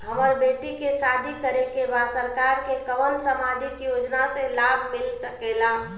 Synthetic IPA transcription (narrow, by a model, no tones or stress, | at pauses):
ɦəməɾbeːʈikesaːd̪ʱikəɾekebaːd̪səɾkaɾkekəʋənsəmad̪ʱikijoːd͡ʒnaselaːbʱmɪlsəkelaː